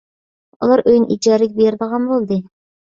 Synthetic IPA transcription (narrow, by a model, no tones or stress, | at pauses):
ulˠɑɾʔøjnʔid͡ʒɑːɾɪk̚ʲbeɾɪd̪əʁɑnbolˠd̪ɨ